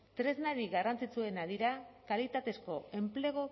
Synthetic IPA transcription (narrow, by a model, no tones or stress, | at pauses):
t̪ɾe̞znaɾiɣarant͡sit͡sue̞naðiɾakalit̪at̪e̞sko̞e̞mple̞ɣ̞o̞